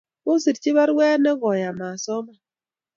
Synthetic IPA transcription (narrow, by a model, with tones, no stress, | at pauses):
bo˦si˨tt͡ʃi˦βa˦ɾwɛ˦nɛ˦ɡɔ˨ja˨ma˨sɔ˦ma˨